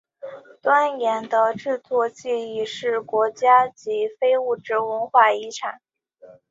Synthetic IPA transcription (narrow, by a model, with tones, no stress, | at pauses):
t̪wa˥njɛ˧˥nd̪ə˧ʈ͡ʂɻ̩˥˧t͡s̪ʰwɔ˥˧t͡ɕi˥˧i˥˩ʂɻ̩˥˩kwɔ˧˥t͡ɕja˥t͡ɕi˧˥fe˥ɪu˥˩ʈ͡ʂɻ̩˥wə˧˥nxwa˥˩i˧˥ʈ͡ʂʰa˨˩˦n